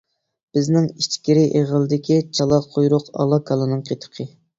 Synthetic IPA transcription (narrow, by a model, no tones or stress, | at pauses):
b̥ɪznɪŋiʃt͡ʃkʲiɾɪʔeʁəlˠɨd̪ɪkʲʰit͡ʃʰɑlˠɑqʰojɾʊqɑ̰lˠɑkʰɑlˠɨnɨŋqʰet̪ʰə̥qʰə